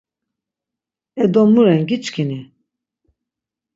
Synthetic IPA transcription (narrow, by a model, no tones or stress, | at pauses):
ɛd̪ɔmuɾɛnɡit͡ʃkʰini